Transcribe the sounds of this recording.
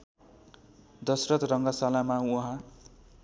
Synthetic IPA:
d̪ʌsrʌt̪rʌŋɡʌsalamauɦã

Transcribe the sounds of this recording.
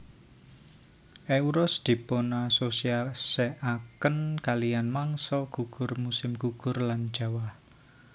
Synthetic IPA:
ʔeuɾɔsd̪̥i̤ponasosiasɛʔakənkalijanmaŋsɔɡ̥uɡ̥ʊ̤rmusɪmɡ̥uɡ̥ʊ̤rlan̥d͡ʒ̥a̤wah

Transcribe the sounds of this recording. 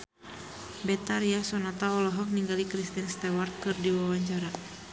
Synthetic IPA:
bɛt̪aɾiasɔnat̪aɔlɔɦɔk̚niŋɡalikɾist̪inst̪ɛwart̪̚kɨrdiwawaɲt͡ʃaɾa

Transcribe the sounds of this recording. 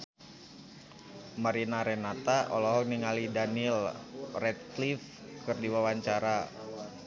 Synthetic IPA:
maɾinaɾɛnat̪aʔɔ̰lɔɦɔk̚niŋalidanilrɛt̪lif | kɨrdiwawaɲt͡ʃaɾa

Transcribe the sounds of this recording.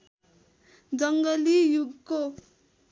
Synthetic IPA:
d͡zʌŋɡʌlijuɡko

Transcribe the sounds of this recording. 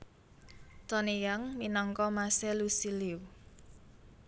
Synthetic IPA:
t̪ɔnijaŋminɔŋkɔmasɛlusiliw

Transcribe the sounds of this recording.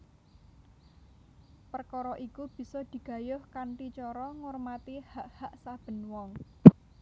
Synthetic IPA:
pərkɔɾɔʔikub̥i̤sɔd̪̥i̤ɡ̥ä̤jʊhkant̪it͡ʃɔɾɔŋɔrmat̪ihaʔhaʔsab̥ə̤nwɔŋ

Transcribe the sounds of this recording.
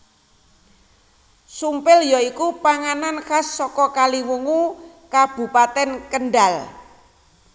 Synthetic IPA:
sumpɪljɔikupaŋananxasːɔkɔkaliwuŋu | kab̥ṳpat̪ɛnkənɖal

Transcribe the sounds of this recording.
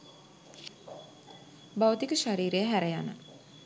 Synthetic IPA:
bawət̪ikəʃaɾiːɾeəɦæɾejanə̰

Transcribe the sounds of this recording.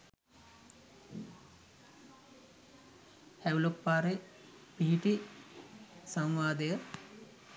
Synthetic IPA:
hæulokpaːɾe | piɦiʈi | saŋʋaːd̪ejə

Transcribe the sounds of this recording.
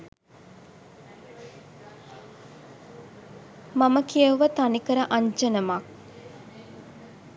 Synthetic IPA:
maməkiəʋət̪anikəɾəʔaɲd͡ʒənəmɐk

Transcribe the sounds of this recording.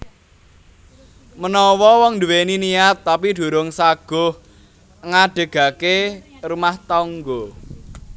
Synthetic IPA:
mənɔwɔwɔŋd̪uweniniat̪ːapiɖ̪̥ṳɾʊŋsaɡ̥ʊh | ŋaɖ̥ə̤ɡ̥ä̤ke | rumaht̪ɔŋɡɔ

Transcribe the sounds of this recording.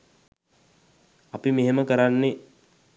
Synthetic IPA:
apimeɦeməkəɾanːe

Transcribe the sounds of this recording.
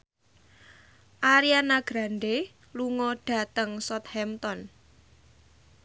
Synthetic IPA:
ʔaɾianaɡ̥ɾa̤nɖe | luŋɔɖ̥a̤t̪əŋsɔt̪̚hɛmt̪ɔn

